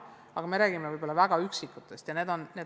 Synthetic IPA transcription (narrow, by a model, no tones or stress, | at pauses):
ɑɡ̥ɑme̞ɾæːɡ̥imevɯjbo̞lːɑvæɡ̥ɑyksikːˑut̪ːˑest̪jɑne̞ːd̪o̞nneː